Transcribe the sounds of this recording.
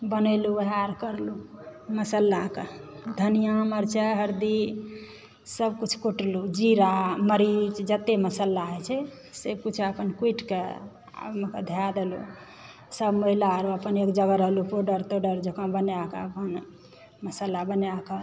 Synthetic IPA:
bənəluəɦaɾkəɾluməsəlːaked̪ʱənijaməɾt͡ʃɛɦəɾd̪i | səbkut͡ʃʰkuʈlud͡ʒiɾaməɾit͡ʃd͡ʒət̪eməsəlːaɦɛt͡ʃʰɛ | sebkut͡ʃʰəpənkwiʈke | a̰məked̪ʱjad̪elṵ | səbməɦilaɾuəpənekd͡ʒəɡəɾəɦlupoɖəɾt̪oɖəɾd͡ʒekãbənjakḛəpən | məsəlabənjake

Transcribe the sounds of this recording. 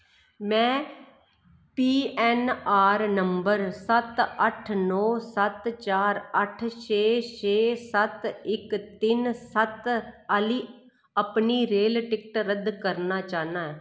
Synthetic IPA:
mɛ̃ː | piːɛːnaːɾnəmbəɾsət̪əʈʰnɔːsət̪t͡ʃaːɾəʈʰʃeːʃeːsət̪ɪkt̪ɪnsət̪əliː | əpniːɾeːlʈɪk̚ʈɾəd̪kəɾnaːt͡ʃaːnãːɛː

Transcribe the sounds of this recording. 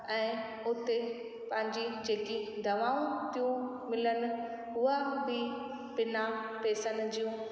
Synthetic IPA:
ɛ̃ː | ʊt̪e | pɐ̃ɦɪ̃ɲd͡ʑid͡ʑeːkid̪ʱɐʋaːũt̪ijũ | mɪlənʊ̆ | ɦʊabɪ | bɪnapeːsənd͡ʑijũ

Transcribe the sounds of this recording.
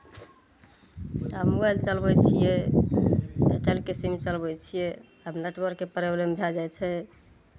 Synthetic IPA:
əmuɡəlt͡ʃəlbɛt͡ʃʰije | ḛʈelkisimt͡ʃəlbɛt͡ʃʰije | əbnəʈbəɾkepɾeblembʱjad͡ʒajt͡ʃʰɛ

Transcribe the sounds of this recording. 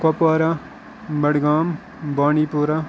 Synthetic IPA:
kɐpwaːɾa | bɐɽɡaːm | baːɳiːpoːɾa

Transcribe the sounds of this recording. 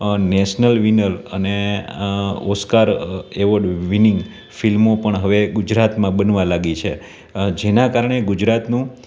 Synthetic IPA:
neʃnəlʋinələ̰ne | oskaɾeʋəɽʋinɪŋɡ | filmopəɳɦəʋeɡud͡ʒɾat̪mãbənʋãlaɡit͡ʃʰe | d͡ʒenakaɾɳeɡud͡ʒɾat̪nũ

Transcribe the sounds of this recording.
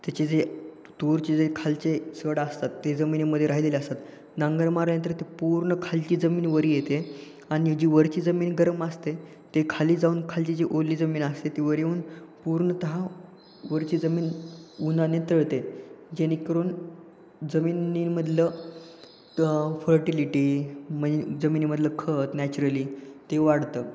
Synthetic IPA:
t̪jat͡ɕed͡ze | t̪uɾt͡ɕed͡zekʰalt͡ɕesəɽaːst̪at̪ːed͡zəminimːəd̪ʱːjeɾaɦileliast̪at̪ | naŋɡəɾmaɾnjə̃nt̪əɾt̪epuɾɳəkʰalt͡ɕiːd͡zəmiːnʋəɾijet̪e | añid͡ʑiʋəɾt͡ɕiːd͡zəmiːnɡəɾəmast̪e | t̪ekʰaliːd͡zauːnkʰalt͡ɕid͡ʑiʔolːiːd͡zəmiːnast̪et̪eʋəɾjeuːnpuɾɳət̪əɦa | ʋəɾt͡ɕiːd͡zəmiːnunanet̪əɭt̪ed͡ʑeñikəɾuːn | d͡zəmiːniməd̪ʱlə | fəɾʈiliʈiməed͡zəmiːniməd̪ʱləkʰət̪næt͡ɕuɾəliːt̪eʋaɽt̪ə

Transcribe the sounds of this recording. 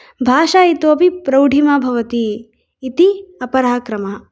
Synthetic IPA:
bʱaːʃaːit̪oːpipɾɐwɖʱimɐbʱɐʋɐt̪iː | t̪iɐpɐɾaːkɾɐmɐ

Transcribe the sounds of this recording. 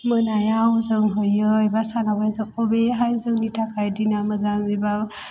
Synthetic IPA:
mənajawzəŋɦɯjɯjbasanabajzɯkɔbeɦajzɯŋnitakʰajdinamɯzaŋeba

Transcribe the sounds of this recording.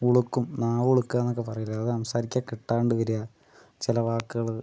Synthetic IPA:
uɭukːumnaːʋuɭukːaːnːok̬ːe̞p̬ɐrɐjilːɐːðɨɐmsaːɾikʲːaːkiʈːaːɳɖɨʋɐɾujɐ | t͡ɕilɐʋaːkːuɣɐɭ

